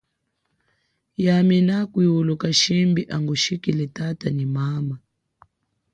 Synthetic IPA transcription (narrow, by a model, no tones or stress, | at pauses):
jaminakwiwulukaʃimbiʔaŋɡuʃikilɛtatanimama